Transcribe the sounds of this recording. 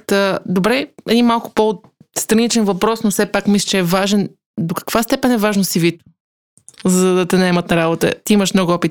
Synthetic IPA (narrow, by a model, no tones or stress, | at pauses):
t̪əd̪obɾɛɛd̪inmalˠkʊ̥po | st̪ɾɐnit͡ʃɛnvɐpɾɔsnofsɛpakmisʲlʲi̥t͡ʃɛːvaʒɛn | d̪okə̥kv̥ast̪ɛpɛnɛvaʒnosivit̪ | zɐd̪ɐt̪ɛnɐɛmət̪nɐɾabot̪ə̰t̪iiməʃmnɔɡʊɔpit̪